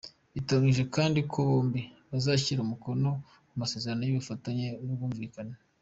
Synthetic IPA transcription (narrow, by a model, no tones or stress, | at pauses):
βitaŋɡiʒe̞kaːndikʰoβoːmbiβazaːçiɾumuko̞no̞ | kumase̞ːze̞ɾanojiβifataɲenoβuːɱviːkana